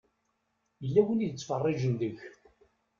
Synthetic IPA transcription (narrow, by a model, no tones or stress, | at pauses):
jəlːæwəniðət͡sːfərˤːɪʒənðəç